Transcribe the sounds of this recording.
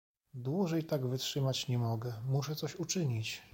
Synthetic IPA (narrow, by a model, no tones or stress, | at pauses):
d̪wuʐɛjt̪aɡvɘtʂɘmat͡ɕɲɛmɔɡɛmuʂɛt̪sɔɕut͡ʂɘɲit͡ɕ